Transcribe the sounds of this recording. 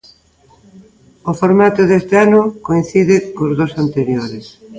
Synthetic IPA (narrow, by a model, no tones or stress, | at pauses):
ofoɾmat̪ʊðest̪eanʊkoinθiðɪkozðosant̪eɾjoɾɪs